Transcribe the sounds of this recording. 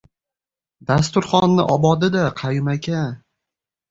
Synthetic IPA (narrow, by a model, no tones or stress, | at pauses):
d̪as̬t̪ʊɾχɒnːɪʔɒbɒd̪ɪd̪aqʰɑjʊmakʲʰa